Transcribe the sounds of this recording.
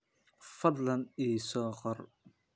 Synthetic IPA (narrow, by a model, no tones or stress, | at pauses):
fɐd̪lɐniːsɔːqɔr